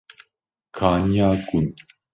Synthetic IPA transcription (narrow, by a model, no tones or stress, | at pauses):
kʰaɲaːkun